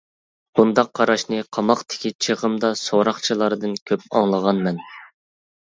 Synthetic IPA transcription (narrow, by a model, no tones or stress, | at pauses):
b̥und̪ɑqʰːɑɾɑʃnɨqʰɑmɑqt̪ʰɪ̥kʲit͡ʃʰəʁəmd̪ɑsoɾɑχt͡ʃʰɨlˠɑɾɨd̪ɨnkʲʰøpɑ̰ŋlˠəʁɑnmɛn